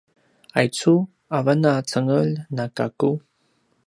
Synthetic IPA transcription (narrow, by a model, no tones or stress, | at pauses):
ajt͡su | avanat͡səŋəlnakaku